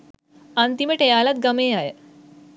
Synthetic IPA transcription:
ant̪imeʈʰejalat̪̚ɡəmeaɦe

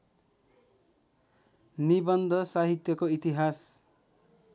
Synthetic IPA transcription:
nibʌnd̪ʱʌsaɦit̪jʌkoit̪iɦas

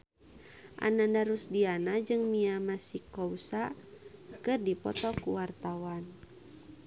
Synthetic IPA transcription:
ʔa̰nandaɾusdianad͡ʒɨŋmiamasikɔusa | kɨrdipɔ̰t̪ɔkuwart̪awan

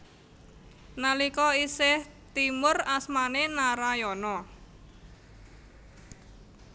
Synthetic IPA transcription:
nalikɔisɪht̪imʊrasmanenaɾajɔnɔ

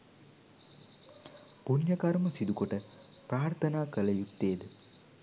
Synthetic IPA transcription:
punjəkaɾməsid̪ukoʈəpraːrt̪ʰɐnaːkələjutt̪ːeːd̪ə

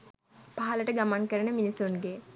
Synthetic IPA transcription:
paɦɐləʈəɡamankəɾənəminisunɡe

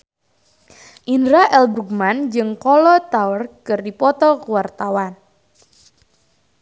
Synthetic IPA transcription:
ʔindɾaʔɛlbɾuɡ̚mand͡ʒɨŋkɔlɔt̪aərkɨrdipɔt̪ɔkuwart̪awan

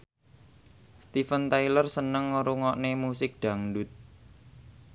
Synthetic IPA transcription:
st̪ifənt̪aijlərsənəŋːuɾuŋɔʔnemusɪk̚ɖ̪̥a̤ŋɖʊt̪̚

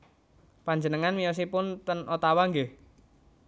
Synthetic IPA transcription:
paɲd͡ʒənəŋanwijɔs̬ipʊnt̪ənʔot̪awaŋɡə

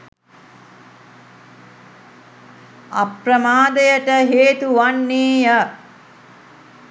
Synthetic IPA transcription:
a̰prəmaːd̪əjəʈəɦeːt̪uʋanːeːjə

